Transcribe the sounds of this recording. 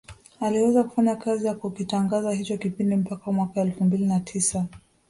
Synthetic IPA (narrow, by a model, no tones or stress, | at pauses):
aliwɛzaku̥faɲakazijakukitaŋɡazahit͡ʃɔkipindim̩pakawamwakaɛlfumbilinatʰisa